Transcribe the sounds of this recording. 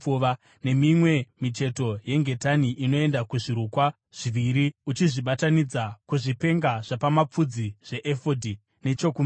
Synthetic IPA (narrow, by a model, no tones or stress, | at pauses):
uʋa | ne̞mimwe̞mit͡ʃe̞to̞je̞ŋɡe̞taniʔino̞e̞ndakuʐiɾukwa | ʐ̥iʋiɾiut͡ʃiʐiɓatanid͡zakuʐipe̞ŋɡaʐ̥apamap͡fud͡ziʐ̥e̞ʔefodʱi | ne̞t͡ʃokum